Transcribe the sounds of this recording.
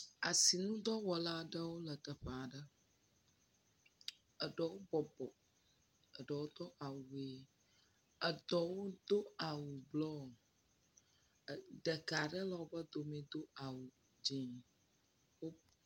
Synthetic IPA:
a˨si˨nũ˦d̪ɔ˦wɔ˨la˦˨ɖə˦wo˦lə˨t̪ə˨ɸə˨a˨ɖə˦ | ə˨ɖə˨wo˦bɔ˨bɔ˨ | ə˨ɖə˨wo˦t̪ɔ˦ʔa˨wu˨e˨ | ə˨d̪ɔ˨wo˦d̪o˦a˨wu˨blɔ˦˨ | ɖə˨ka˨ɖə˦la˨wo˦bə˦d̪o˨mẽ˨d̪o˦a˨wu˨ | d͡ʒĩ˨ | wo˦

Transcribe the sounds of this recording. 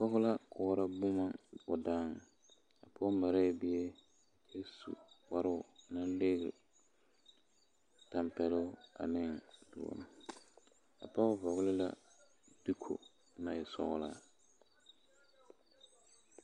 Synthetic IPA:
fɔ˦ɣʊ˦la˦kʰɔː˨˦ɾa˦bʊ˦ma˦ʊ˨da˦˨ŋ˨ | a˨pʰɔ˦ma˨ɾɛ˦˨bɪ˦e˦˨ | kʰe˦sṵ˨k͡pa˦ɾʊ˦ʊ˨na˦le˦ɣɾɪ̰˨ | ta˨mpɛ˨lʊ˦a̰˨nɪ˦ŋdʊ̰˨ɔ̰˦n˦ | a̰˨pa˦vɔ˨ɣʊ˦lɪ˦la̰˦ | d̥i˦kʰo̰˨ | na˨ɪ˨sɔ̰˦ɣʊ̰˦laː˦

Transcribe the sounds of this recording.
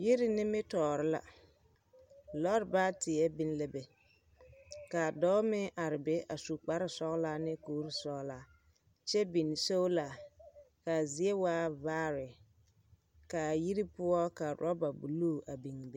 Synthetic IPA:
ji˦ɾɪ˦nɪ˦mɪ˦tɔː˨ɾɪ˦la̰˨ | lɔ˦ɾbaː˦tɪ˨ɛ˦bi˦n˦lɛ˦bɛ˨ | ka˨dɔː˦mɪ˦ʔa˨ɾɪ˨bɛ˦ʔa˨su˨k͡pa˨ɾɪ˦sɔ˦ɣla˦nɪ˦koː˦ɾi˨sɔ˨ɣla˨˦ | t͡ʃɛ˦bi˨n˨so˦wla˨ | ka˨zi˨˦e˦waː˦vaː˦ɾɪ˨ | ka˨ji˦ɾi˦pʊ˦ɔ˦ka˨ɾɔ˦ba˨bu˨luː˦˨a˨bi˨ŋ˨bɛ˦

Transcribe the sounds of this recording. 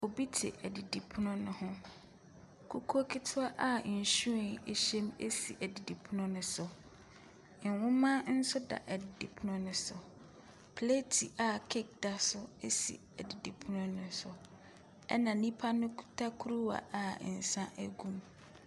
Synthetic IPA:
o˨bi˦tʰɪ̰˨ʔɛ˨di˨di˨pʰʊ˦nʊ̃˦nʊ̃˨hʊ̃˦ | kʰu˦kʰo˦kʰi˦tʰʊ˦a˦ʔa˦˨ɕũ˦e˨e˨ɕɛ̃˦me˦sḭ˨ʔæ˨di˨di˨pʰʊ˦nʊ̃˦nʊ̃˨sʊ˨ | n˨wʊ̃˦mã˦n̩˦sʊ˦da̰˨ʔæ˨dɪ˨di˨pʰʊ˦nʊ̃˦nʊ̃˨sʊ˨ | pʰle˦tʰi˨ʔa˨kʰɪ˦k̚da˦sʊ˦e˦sḭ˨ | æ˨di˨di˨pʰʊ˦nʊ̃˦nʊ̃˨sʊ˨ | ɛ̰˦nã˨nĩ˦pʰa˦nʊ̃˦tʰa˦kʰu˦ɾu˦wa̰˨a˨n̩˨sã˦ʔæ˦ɡũ˦˨m

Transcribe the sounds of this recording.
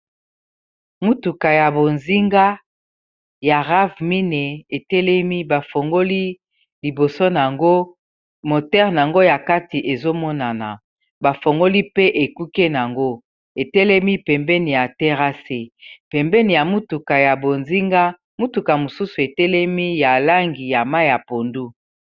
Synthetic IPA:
mu˦tu˨ka˨ja˨bo˨nzi˦ŋɡa˦ | ja˨ʁa˦vmi˦nɛ˨e˨tɛ˦lɛ˦mi˦ba˨fo˨ŋɡo˦li˦ | li˨bo˨so˦n˨a˨ŋɡo˦ | mo˨tɛ˦ʁn˨a˨ŋɡo˦ja˨ka˦ti˨ʔe˨zo˦mɔ˦na˨na˨ | ba˨fo˨ŋɡo˦li˦pe˦ʔe˨ku˦ke˦na˨ŋɡo˦ | e˨tɛ˦lɛ˦mi˦pɛ˨mbɛ˦ni˨ja˨tɛ˦ʁa˦se˦pɛ˨mbɛ˦ni˨ja˨mu˦tu˨ka˨ja˨bo˨nzi˦ŋɡa˦ | mu˦tu˨ka˨mo˨su˦su˨e˨tɛ˦lɛ˦mi˦ja˨la˦ŋɡi˨ja˨ma˦jja˨po˨ndu˦

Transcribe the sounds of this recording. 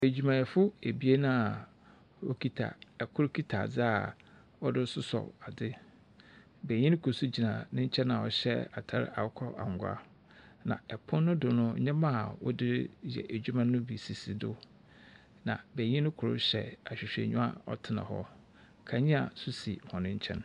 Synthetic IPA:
æ˨d͡ʑᶣu˨mã˨ɛ˨fʊ˦e˨bi˦e˦nã˦a˨ | ɔ̰˦kʰi˦tʰa̰˨ɛ˨kʰʊ˦ɾkʰi˦tʰa˨d͡zɪ˦a˨ | ɔ˦dɪ˦sʊ˦sɔ̰˨a˨dɪ˦ | bæ˨ɲĩ˦n˦kʰʊ˨su˦d͡ʑi˨nã˨nɪ̃˦ɲ̩˦t͡ɕʰɛ˦nã˨ɔ̰˨ɕɛ˦a˨tʰa˦˨ɾ̰a̰˨wkʰɔ˦ʔa̰˨ŋ˨ɡʷa̰˦ | nã̰˨ɛ˨pʰʊ̃˦nːʊ̃˦dʊ˨nʊ̃˦ã˦mã˦˨wɔ̰˦dɪ˦ɾjɛ̰˨ʔæ˨d͡ʑᶣu˦mã˦nʊ̃˦bi˨si˨si˨dʊ˦ | nã̰˨bæ˨ɲĩ˦nʊ̃˦kʰʊ˨ɾʊ̰˦ɕɛ̰˨a˨ɕᶣɪ˨ɕᶣḛ˨ɲᶣũ˦a̰˨ɔ˦tʰɪ˨nã̰˨hɔ̰˦ | kʰa˨ɲĩ˦a˨sʊ˦sḭ˨hɔ̃˨nɪ̃˦ɲ̩˦t͡ɕʰɛ̰̃˦n

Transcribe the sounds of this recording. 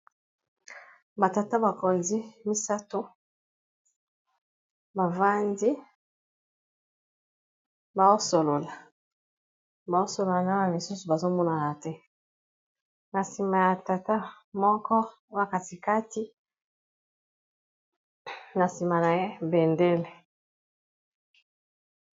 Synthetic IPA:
ba˨ta˨ta˦ba˨ko˨zi˦mi˦sa˦to˦ | ba˨va˦ndi˦ | ba˨zo˦so˨lo˨la˨ | ba˨o˦so˨lo˨la˨na˦na˨li˨su˦su˨ba˨zo˦mɔ˦na˨na˨tɛ˦ | na˨si˨ma˨ja˨ta˨ta˦ | mɔ˦kɔ˦ | o˦a˦˨ka˨ti˨ka˦ti˦ | na˨si˨ma˨na˨je˦be˨nde˦lɛ˨

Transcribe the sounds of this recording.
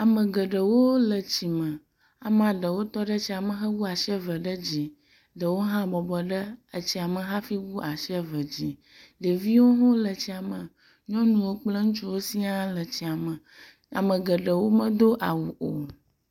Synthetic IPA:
a˨mə̃˨ɡə˨ɖə˨wo˦lə˨t͡ɕi˨mə̃˨ | a̰˨m˦˨a˨ɖə˨wo˦t̪ɔ˦ɖə˦t͡ɕi˦a˨mə̃˨xə˦wu˦a˨ʃɛ˦və˨ɖə˦d͡ʑi˨ | ɖə˨wo˦ɦã˦bɔ˨bɔ˨ɖə˦ə˨t͡ɕi˨a˨mə̃˨ɦã˦fi˦wu˦a˨ʃɛ˦və˨d͡ʑi˨ | ɖə˨vi˦wo˦ɦõ˦lə˨t͡ɕi˨a˨mə̃˨ | ɲɔ̃˦nũ˨wo˦k͡plə˦ŋũ˦t͡ʃu˦wo˦si˦a˦lə˨t͡ɕi˨a˨mə̃˨ | a̰˨mə˨ɡə˨ɖə˨wo˦mə̃˦d̪o˦ʔa˨wu˨ʔo˨

